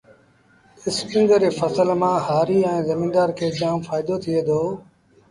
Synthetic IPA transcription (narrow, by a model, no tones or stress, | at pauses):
ɪskɪ̃ŋɡ̪ɾeːfəsəlmãːhaːɾiːɛ̃ːzəmiːnd̪aːɾkʰeːd͡ʒaːmfaːɪd̪ot̪ʰieːd̪oː